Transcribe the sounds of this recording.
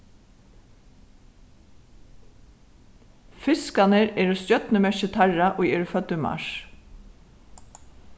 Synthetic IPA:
fɪskanəɾɛːɾɔst̪jœt̪nəmɛʃət̪ʰæɹaʔoːɣɛːɾəfœt̪ʏmɑ̰ʃ

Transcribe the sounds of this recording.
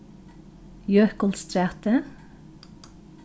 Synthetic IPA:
jøkʊlst̪ɾæːt̪ə

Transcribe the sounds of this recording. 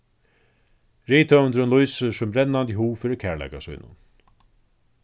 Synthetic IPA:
ɾiːt̪ʰœnd̪ɾʊnlujsəsʊmɾɛnːant̪ɪɦuːfiːɾɪɾkʰæːɹla̰jkasṵjnʊ̰n

